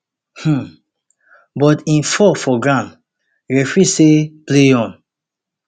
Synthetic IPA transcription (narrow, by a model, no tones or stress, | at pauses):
hm̩ | bɔtĩnfɔfɔɡɹãn | ɹɛfɹisepleɔ̃n